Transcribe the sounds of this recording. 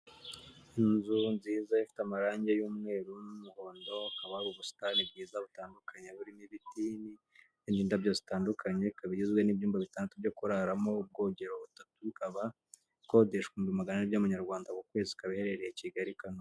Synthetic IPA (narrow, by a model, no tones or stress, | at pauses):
inzunziːzaifi̥tamaɾaːɲɟe̞juːmŋe̞ːɾunumuho̞ːndo̞akaβauβusi̥tanib̚ɟiːzaβutaːndukaɲeβuɾiniβitiːni | indiːndabjozitaːndukʰaɲeikaβiɟizɡwenibjuːmbaβitaːndatubjo̞kuɾaɾamo̞b̚ɡo̞ɲɟe̞ɾo̞βutatukaβa | ko̞deʃkuːmbimaɡananibjamuɲaɾɡwaːndakukwe̞ːzikaβihe̞ɾe̞ɾejeciɡaɾikano